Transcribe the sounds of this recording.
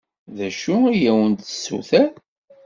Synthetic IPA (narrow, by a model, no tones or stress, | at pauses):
ðæʃuijæwənt̪ə̥sːṵθæ